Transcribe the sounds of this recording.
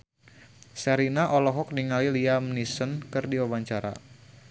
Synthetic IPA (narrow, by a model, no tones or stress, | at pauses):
saɾinaʔɔlɔɦɔk̚niŋaliliamnisənkɨrdiawaɲt͡ʃaɾa̰